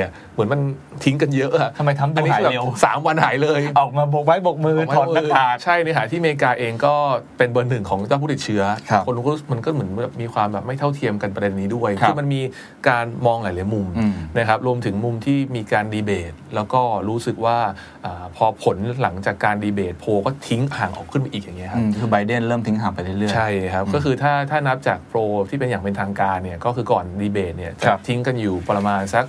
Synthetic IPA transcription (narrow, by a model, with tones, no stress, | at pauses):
mɯ˩˦nma˧n | t̪ʰi˦˥ŋka˧njɤ˦˥ʔa˨˩ʔʰa˧ma˧jt̪ʰa˧˦md̪u˧n˧nː˦a˥˨˦ɛː˨˧saː˩˦mwa˧nha̰ː˩˦jlɤː˧jʔɔː˨˩k̚maː˧bo˨˩k̚ba˦˥jbo˨˩k̚mɯː˧˩a˦ɔː˨˩˥aː˨˩t͡ɕʰa˥˩jnɯ˦˥ɦaː˩˦t̪ʰiː˥˩meː˧kaː˧ʔeː˧ŋkɔː˥˩pe˧nbɯ˧nːɯ˨˩ŋkʰɔː˩˦ŋt͡ɕaː˥˩pʰuː˥˩t̪i˨˩t̪̚t͡ɕʰɯ˦˥ɐ˦˧ko˧n˦˥ɾu˦˥sɯ˨˩kma˧nkɔː˥˩mɯ˩˦ənbɛ˨˩p̚miː˧kʰwaː˧mbɛː˨˩p̚ma˥˩jt̪ʰa˥˩wt̪ʰi˧əmka˧npɾe˧nːiː˦˥du˥˩əjʰkɯː˥˩ma˧nmiː˧ | kaː˧nmɔː˧ŋla˨˩˦jlaː˨˦jmu˧mna˦˥kʰa˦˥p̚ɾu˧əmt̪ʰɯ˩˦ŋmu˨˧mt̪ʰiː˥˩miː˧kaː˧ndiː˧beː˨˩t̪̚lɛː˦˥wkɔː˥˩ɾuː˦˥sɯ˨˩k̚waː˥˩ | ʔaː˨˩pʰɔː˧pʰo˨˩˦nla˩˦ŋt͡ɕaː˨˩kːaː˧ndiː˧beː˨˩t̪̚pʰoː˧kɔː˥˩t̪ʰi˦˥ŋhaː˨˩˦ŋʔɔ̰ː˨˩kʰɯ˥˩nma˧ʔiː˨˩k̚ja˨˩ŋːi˦˥ɐkʰa˥˧˩kʰɯː˧ba˧jde˥˩nɾɤː˥˩mt̪ʰi˦˥ŋɦaː˨˩˦ŋpa˧jlɯ˥˩jlɯ˥˩t͡ɕʰa˥˩jkʰa˦˥p̚kɔː˥˩kʰɯː˧t̪ʰaː˥˩t̪ʰaː˥˩na˦˥p̚t͡ɕaː˨˩k̚pʰɾoː˧t̪ʰiː˥˩pe˧njaː˨˩ŋpe˧nt̪ʰaː˧ŋkaː˧nːi˥˩ɐkɔː˥˩kʰɯː˧kɔː˨˩ndiː˧beː˨˩t̪̚ni˥˩ɐt͡ɕa˨˩˦t̪ʰi˦˥ŋka˧njuː˨˩pɾa˧maː˧nsa˦˥k̚